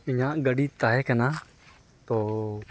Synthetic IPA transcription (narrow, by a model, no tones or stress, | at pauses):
ɪɲãːʔɡəɖiːt̪aːɦekənaː | t̪oː